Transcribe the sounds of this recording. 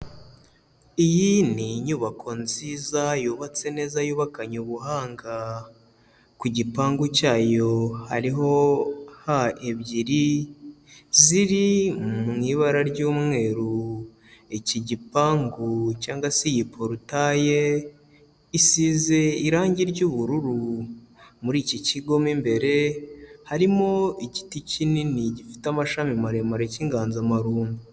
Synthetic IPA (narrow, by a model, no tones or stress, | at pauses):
ijiniɲuːβakʰo̞nziːzajuːβat͡se̞ne̞ːzajuːβakaɲuβuɦaːŋɡa | kuɟipaːŋɡucaːjo̞ha̰ɾiɦo̞haeβɟiɾi | ziɾiŋiːβaɾaɾɟoːmŋe̞ːɾu | eciɟipaːŋɡucaːŋɡwasejipʰoɾutaje | isize̞iɾaːɲɟiɾɟuːβuɾuɾu | muɾiːciciɡo̞mimbe̞ɾe̞haɾimoici̥ticininiɟifi̥tamaʃamimaɾemaɾeciŋɡaːnzamaɾuːmbu